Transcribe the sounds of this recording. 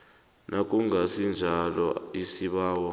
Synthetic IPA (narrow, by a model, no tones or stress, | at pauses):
nʔakʼuŋɡʱasind͡ʒʱalɔisiɓaːwɔ